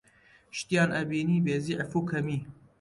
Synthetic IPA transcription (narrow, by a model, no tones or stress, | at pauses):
ʃt̪ijaːnʔɐbiːniːbeːziːʕɪfuːkʰɐmiː